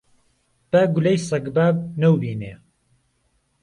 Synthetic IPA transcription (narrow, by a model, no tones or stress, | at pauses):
b̥aɡʊlejsɐɡbaːb̚nɐwbiːne